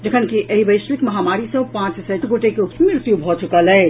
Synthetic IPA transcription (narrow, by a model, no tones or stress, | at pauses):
d͡ʒəkʰənkiʔeɦibəjʃɾikmɐɦamaɾisə̃pãt͡ʃsəʈɡoʈekeumiɾt̪jubʱɔt͡ʃukəlɛː